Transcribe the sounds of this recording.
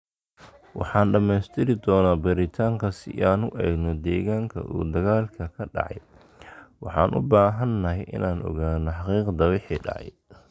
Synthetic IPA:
wɑ̰ħɑːnɖɐmɛjst̪ʰɪɾɪd̪ɔːnaːbɐɾɪt̪ʰaːŋkʰɐsɪʔaːnʊʔɛ̰ːɡnɔd̪ɛːɣaːŋkʰɐ̰ʔṵːd̪ɐɣaːlkʰɐkʰɐɖɑ̰ʕɑ̰j | wɑħɑ̰ːnʔʊ̰baːɦɐnːɐɦɛjʔɪ̰nʔaːnʔɔ̰ɣaːnɔħɑqiːqd̪ɐwɪħiːɖɑ̰ʕɑ̰j

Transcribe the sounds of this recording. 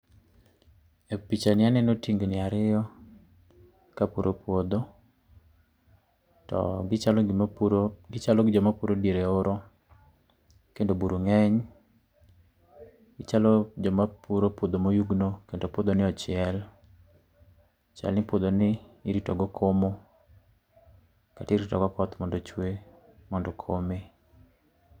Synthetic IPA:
epit͡ʃanɪanɛnotiŋɡonɪaɾɪjɔ | kapuɾʔopwod̪o | tɔ̰al | ɡɪt͡ʃalɔɡɪd͡ʒɔmapuɾodeɾeoɾʔɔ | kendobuɾuŋɛɲ | t͡ʃalɔd͡ʒɔmapuɾopod̪omojuɡnokendopod̪onɪɔt͡ʃɪɛl | t͡ʃa̰lɪpod̪onɪiɾitɔɡɔkʰomo | katɾitɔ̰ɡɔpɔt̪mɔndɔt͡ʃwe | mɔndɔkʰome

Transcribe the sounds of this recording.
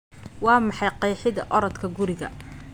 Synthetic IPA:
wɑːmɑħɑjqɑjħɪðɐ̰ʔɔɾɔd̪kʰɐɡʊɾɪɣɐ̰

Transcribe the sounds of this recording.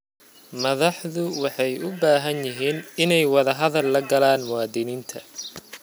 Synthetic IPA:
mɐðɑħðʊwɑħɑjʊbaːɦɐnjɪɦiːnɪnɛjwɑðɐɦɐðɐlːɐɡɐlaːnmʊwɑːd̪ɪniːnt̪ʰɐ

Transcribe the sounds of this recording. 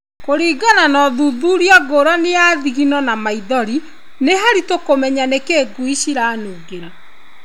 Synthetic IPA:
koɾiːɡananɔðuðuːɾiaɡoɾanejaːðiɣinɔnamaiðɔɾi | neɦaɾitokomɛɲanekeːɡuiɕiɾanuːɡeɾa

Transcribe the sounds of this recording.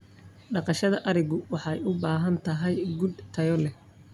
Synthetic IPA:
ɖɑqɑʃɐðɐʔɐɾɪɣʊwɑħɑjʊbaːɦɐnt̪ʰɐɦɛjɡud̪t̪ʰɐjɔlɛ

